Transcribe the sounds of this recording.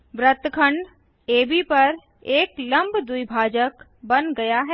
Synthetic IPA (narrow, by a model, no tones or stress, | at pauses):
ʋɾət̪kʰəɳɖ | eːbipɐɾ | eːklɐ̃mbd̪uibʱaːd͡ʒək | bɐnɡɐjaɦɛː